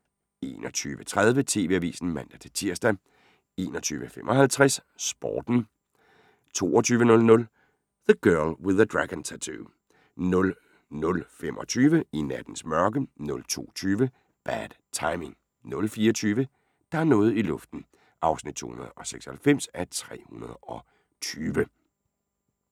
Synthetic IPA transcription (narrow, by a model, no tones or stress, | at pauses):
e̝̰ːnʔɒt͡sʰyːʋət͡sʰʁað̞ˠʋət͡sʰe̝ːʋe̝æʋḭːsn̩mæn̰d̥æt͡sʰe̝t͡sʰiɐsd̥æ | e̝ːnɒ̽t͡sʰy̰ːʋəfemʔɒ̽hælt͡sʰʁɛssb̥ɒ̰ːd̥n̩ | t͡sʰo̝̰ːɒt͡sʰyːʋənɔ̽lnɔ̽l | ð̥əɡ̥ɜɐlwɪðˠəd̥ʁaɡ̥ənt͡sʰæt͡sʰu | nɔ̽l | nɔ̽lfem̰ʔɒ̽t͡sʰyːʋəinæd̥n̩smɶɐɡ̥ənɔ̽lt͡sʰo̝̰ːt͡sʰyːʋə | b̥æd̥t͡sʰɑ̈ɪme̝ŋ | nɔ̽lfiːɒt͡sʰyːʋə | d̥ɑ̈æɐnɔ̽ːð̩ˠilɔ̽fd̥n̩ | ʔɑ̈ʊsnid̥̚t͡sʰo̝̰ːhunɐðˠɒ̽seɡ̥shælfem̰sæt͡sʰʁɛ̰ːhunɐð̞ˠɒ̽ | t͡sʰyːʋə